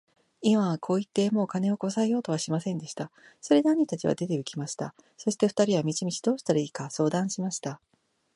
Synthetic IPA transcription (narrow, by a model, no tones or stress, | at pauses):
imakʰo̞ːit̪ːe̞mo̞ːkane̞o̞ko̞saejo̞ːt̪oβaɕimasẽ̞nd̪e̞ɕi̥t̪a | so̞ɾe̞d̪aɲ̟ːit̪at͡ɕiβa̰d̪e̞t̪e̞ɯ̟kʲimaɕi̥t̪a̰ | so̞ɕi̥t̪e̞ɸɯ̟̥t̪aɾʲiβamʲit͡ɕimʲit͡ɕi̥d̪o̞ːɕi̥t̪aɾaiːkaso̞ːd̪ãɰ̃ɕimaɕi̥t̪a